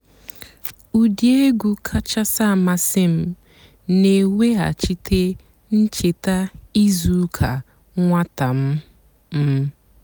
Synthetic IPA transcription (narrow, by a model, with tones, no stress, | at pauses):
u˨di˦e˦ɡu˨kʰa˦t͡ʃa˦sa˦˨ma˦sɪ˦m̩˦ | ne˨wʷe˦ɦa̰˨t͡ʃi˦tʰe˦ | n̩˦t͡ʃe˨ta˦i˦zu˨˦kʰa˨ | ŋʷa˦ta˨m̩˦ | m̩˦